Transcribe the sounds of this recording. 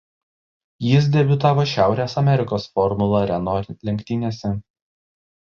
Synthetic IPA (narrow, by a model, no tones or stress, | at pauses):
jɪs̬d̪ʲɛbʲʊt̪ɑːʋoːʃʲæˑʊɾʲeːsɐmʲɛɾʲɪkoːsfɔɾmʊlˠɐɾʲɛnolʲɛŋʲkʲt̪ʲɪnʲeːsʲɛ